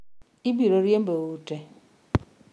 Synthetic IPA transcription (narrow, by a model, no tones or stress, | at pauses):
ibiɾoɾjem̩boute